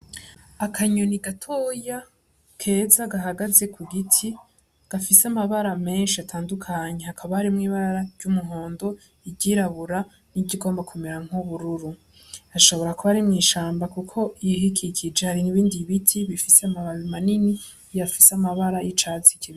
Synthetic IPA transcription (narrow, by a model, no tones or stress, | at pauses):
akʰaɲoniɡatʰoːja | kʰe̞ːzaɡaɦaɡaze̞kʰuɡitʰi | ɡ̥afiseamaβaɾame̞ːnʃiatʰaːndukʰaɲe̞hakʰaβahaɾimŋiːβaɾaɾaɾjɟumuɦo̞ːndo̞ | iɟiɾaβuɾa | niɟiɡo̞ːmbakʰumeɾaŋ̥uβuɾuɾu | aʃo̞βo̞ɾakuβaɾimŋiːʃaːmbakukʰo̞ijiɦikʰikʰid͡ʒehaɾiniβiːndiβitʰiβifiseamamanini | jafisamaβaɾajit͡ʃazikiβi